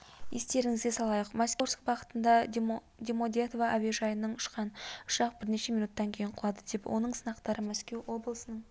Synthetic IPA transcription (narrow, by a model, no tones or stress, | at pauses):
jest̪e̞ɾɪŋɪzɡ̪ʲesɑlˠɑjəqmæskʲoɾskbɑqə̥t̪ənd̪ɑ | d̪ʲemod̪et̪ovaʔabeʒɑjənəɴʊʃqɑnʊ̥ʃɑq̚bɪɾne̞ʃe̞mʲijnut̪ːɑŋkʲʰe̞jɪɴqʰʊlˠɑd̪əd̪e̞pwʔo̞̰nəɴsənɑqt̪ɑɾəmæskʲe̞wo̞blˠəsənəɴ